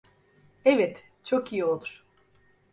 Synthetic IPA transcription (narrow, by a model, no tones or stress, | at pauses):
ɛvɛt̪ | t͡ʃʰo̞kijio̞lˠuɾ̥